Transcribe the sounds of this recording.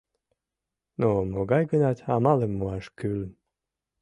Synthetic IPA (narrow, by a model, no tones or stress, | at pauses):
nomoɡɑjɡənɑt̪ʲɑmɑlemːuɑʃkyl